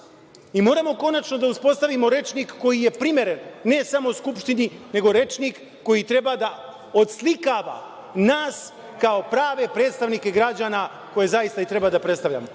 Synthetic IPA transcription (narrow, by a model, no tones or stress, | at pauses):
imo̞ːɾamo̞ko̞nat͡ʃno̞d̪auspo̞st̪aʋimo̞ɾe̞t͡ʃnikːo̞jije̞pɾime̞ɾenːe̞samo̞uskupʃt̪inine̞ɡo̞ɾe̞t͡ʃnikː | o̞jit̪ɾe̞bad̪a | o̞t̪slikaːʋa̰ | naːs | kao̞pɾaːʋe̞pɾe̞ːt̪st̪aʋnike̞ɡɾad͡ʑaːna | ko̞je̞zajist̪ait̪ɾe̞bad̪apɾet̪t̪aʋʎa̰mo